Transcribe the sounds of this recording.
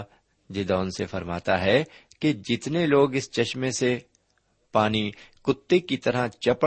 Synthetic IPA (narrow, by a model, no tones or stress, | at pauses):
d͡ʒɪd̪ɔːnsefɐɾma̰ːt̪aɦɛ | ked͡ʒɪt̪neloːɡɪst͡ʃɐʃmẽse | paːnikʊt̪ːekit̪ɐɾat͡ʃɐpə